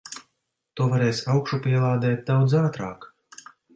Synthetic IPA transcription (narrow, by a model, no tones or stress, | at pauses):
t̪uɔvaɾɛːsʲawkʃupʲiɛlˠaːd̪ɛːt̪̚d̪awd̪zaːt̪ɾaːk